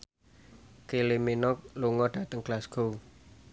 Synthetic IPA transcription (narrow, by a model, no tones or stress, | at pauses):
kelemenɔk̚luŋɔɖ̥ä̤t̪əŋɡ̥lasɡ̥o̤w